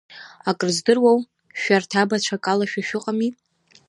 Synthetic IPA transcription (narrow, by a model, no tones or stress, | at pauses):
akʼɨrzdɨrwow | ʃᶣartʰabat͡ʃʷʰakʼalaʃᶣaʃᶣʊqʼami